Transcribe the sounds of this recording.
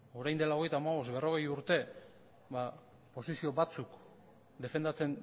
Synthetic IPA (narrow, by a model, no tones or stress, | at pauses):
o̞ɾajnd̪elao̞ɣ̞e̞jt̪aːmaβo̞sbe̞ro̞ɣe̞juɾt̪e̞ | βa | po̞sisio̞bat͡suk | d̪e̞fe̞nd̪at͡se̞n